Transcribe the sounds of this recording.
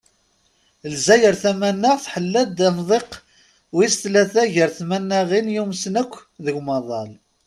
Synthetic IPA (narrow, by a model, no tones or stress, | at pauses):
lzæjəɾθæmænːəʁθħəlːæd̪æmðˤeq | wist̪læθæʝəɾθmænːæʁinjumsnəkʷːðəɡmɑðˤɑl